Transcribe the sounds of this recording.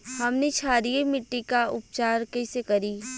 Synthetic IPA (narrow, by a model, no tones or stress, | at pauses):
hɐmnet͡ʃʰaːɾijemɪʈːikaʊpt͡ʃaːɾkɐɪsekɐɾi